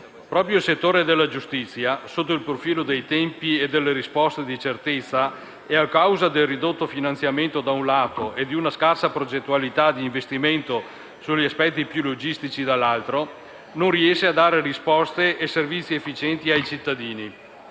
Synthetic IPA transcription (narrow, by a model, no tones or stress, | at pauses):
pɾɔːpɾjoilset̪ːoːɾed̪elːad͡ʒust̪it̪sːjasot̪ːoilpɾofiːlod̪ejt̪ɛmpied̪elːeɾispɔst̪ed̪it͡ʃert̪et̪sːa | eakːawzad̪elrid̪ot̪ːofinant̪sjament̪od̪aunlaːt̪oed̪iunaskarsapɾod͡ʒet̪ːualit̪ad̪iːɱvest̪iment̪o | suʎːiaspɛt̪ːipjulod͡ʒist̪it͡ʃid̪alːalt̪ɾo | nonriɛʃːead̪aːɾerispɔst̪eʔːservit̪sːiefːit͡ʃɛnt̪iajt͡ʃit̪ːad̪iːni